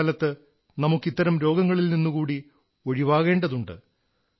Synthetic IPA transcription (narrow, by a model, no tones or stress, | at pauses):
ɐlɐt̪ːɨ | nɐmukːit̪ːɐɾɐmɾo̞ːɡɐŋːɐɭilninːukuːɽi | oɻiʋaːɣe̞ːɳɖɐðuɳɖɨ̰